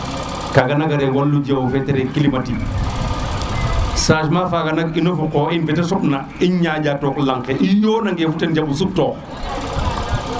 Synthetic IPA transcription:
kaɡanaɡaɾɛɡolːud͡ʒawufɛtɛɾɛkilimati | saːʃmafaɡanakinofukɔinfɛtasɔɓna | iɲɲad͡ʒatɔklaŋkɛʔijoːnaŋɡefutend͡ʒamus̬ub̚tɔ

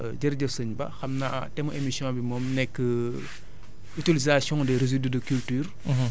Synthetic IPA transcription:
ɟɐɾɟəsəɲbɐ̰xɐmnatɛmuʔemisjɔ̃bimɔːmnɛkːə | ytilizasjɔ̃dɛɾezididəkyltyːr

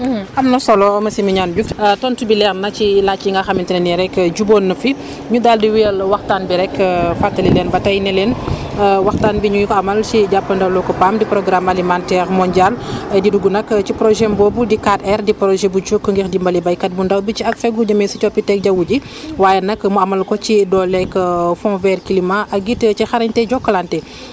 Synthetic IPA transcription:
ʔɐmnɐsɔlɔɔmɐsimiɲanɟukətɔːntubilɛxnɐcilat͡ʃːiŋɡɐxɐmintinɐniɾɛkːəɟubɔːnːɐfi | ɲudaldiwiəlwɐxtaːnbiɾɛkfatːɐlilɛnbɐtɐjnilɛːnəwɐxtaːnbiɲujkɔɐmɐlt͡ʃiɟapːɐndɐwlɔkɔpamdipɾɔɡɾamɐlimantɛɾmɔɲɟalɐdiduɡunɐkt͡ʃipɾɔʒɛmbɔːbudikatɛrdipɾɔʒɛbut͡ʃukːəŋɡixdimbɐlibɐjkɐt̚bundɐwbit͡ʃiɐkfɛɡuɟɐmɛsit͡ʃɔpitɛk̚ɟɐwuɟi | waːjɛnɐkmuɐmɐlkɔt͡ʃidɔlɛkːəfɔ̃vɛrkilimaʔɐk̚ɡitəcixɐɾɐɲtɛɟɔkːɐlantɛ

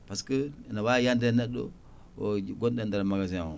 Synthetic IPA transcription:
paskənawajandɾenedo̰ | oɡondendaɾamaɡaziao

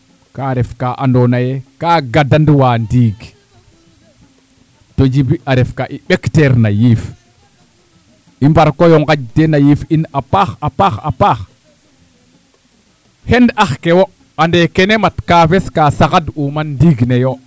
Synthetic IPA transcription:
kaɾɛfkaʔandonajekaɡadandwandiːɡ | tod͡ʒibiaɾɛfkaʔiɓekteɾnajif | imbaɾkojoŋɡad͡ʒtenajifinapaxapaxa̰pa | hendaxkewo | andekenematkaːfeskaːsakadumanːdiɡnejo

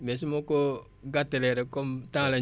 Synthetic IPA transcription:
mes̬imoko | ɡateleɾekomtala

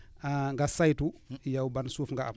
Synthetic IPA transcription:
aŋɡasajtujawbansufŋɡaʔa̰

